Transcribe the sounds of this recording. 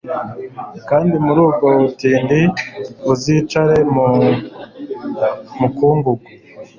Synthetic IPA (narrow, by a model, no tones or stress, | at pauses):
kaːndimuɾuːbɡo̞utiːndiuzit͡ʃaɾe̞mu | mukuːŋɡuɡwe